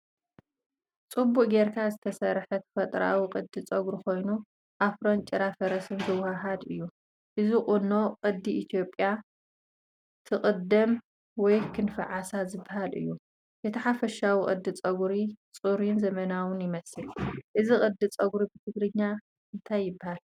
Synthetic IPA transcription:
t͡sʼɨbːuʔʼɡeɾkʰazɨt̪ʰɐsɐɾħɐt̪ʰfɐt̪ʼɾa̰wiqʼɨd̪ːɨt͡sʼɐɡɾukʰo̞jnu | ʔafɾo̞nt͡ʃʼɪɾafɐɾɐsɨnzɨwhaɦad̪ɨ̰jːu | ʔɨzikʼuno̞qʼɨd̪ːiʔit̪ʰijo̞pʼja | t̪ʰɨqʼɨd̪ɐm | wɔjkʰɨnfɐʕasazɨbːahalɨ̰jːu | jɛt̪ʰɐħafɐʃawiqʼɨ̰d̪ːɨt͡sʼɐɡuɾit͡sʼuɾinzɐmɐnawʊnjɪmɐsɨlʔɨzikʼɨd̪ɨt͡sʼɐɡuɾibɨt̪ʰɨɡɾɨɲːa | ɨnt̪ʰajːɪbːahal

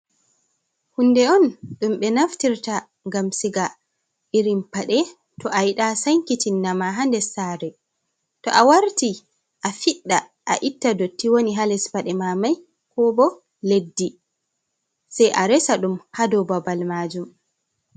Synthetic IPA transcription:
hunːdɛɔnɗumɓɛnaftiɾta | ŋɡamsiɡa | iɾimpaɗɛ | tɔʔajiɗasaŋkitinːamaɦandɛsaɾɛ | tɔ̰ʔawaɾti | ʔafiɗːa | ʔaʔitːadotːiwoniɦalɛspaɗɛmamaj | kɔbɔ | ledːi | sajʔaɾɛsaɗumhadɔbabalmaːd͡ʒum

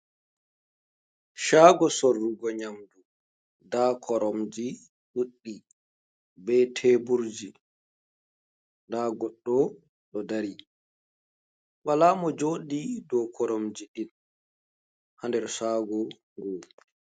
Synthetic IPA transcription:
ʃaːɡɔsorːuɡɔɲamdu | dakʰɔɾɔmd͡ʒi | ɗuɗːi | bɛtʰeːbuɾd͡ʒi | ndaːɡɔɗːɔ | ɗɔdaɾi | walamɔd͡ʒoːɗidɔkʰɔɾɔmd͡ʒiɗin | handɛɾsaːɡɔ | ŋɡɔː

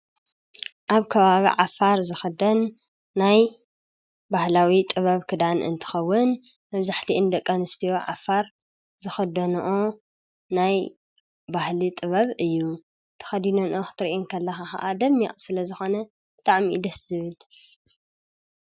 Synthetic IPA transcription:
ʔaβkʰɐβaβḭʕafaɾzɨxɐd̪ɐnː | aj | bahlawit̪ʼɨβɐβkʰɨd̪anɨ̰nt̪ʰɨ̥xɐwːʊn | mɐβzaħt̪ʰiʔɨnd̪ɐkʼːɐnɨst̪ʰijo̞ʕa̰faɾ | zɨxɐd̪ɐnʔo | naj | bahlit̪ʼɨβɐβɨjːu | t̪ʰɐ̥xɐd̪inɐnʔoxɨ̥t̪ʰɨɾiʔinkʰɐlːɐxaxɐ̰ʔad̪ɐmːiʔʼsɨlɐzɨxo̞nɐ | b̥ɨt̪ʼaʕmid̪ɐszɨβɨl

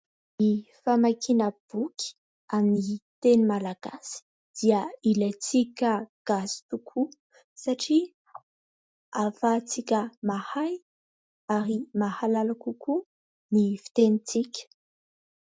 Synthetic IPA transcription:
ifamakʰinəb̥ukʰʲi̥ | aminit̪enimalaɡ̥asi̥ | d̪̥iəilat͡sikʲəɡ̥asi̥t̪ukʰu | saʈ͡ʂi | afat͡sikʲəmahaj | aɾimahalalakuku | nifi̥t̪enit͡sikʲə̥

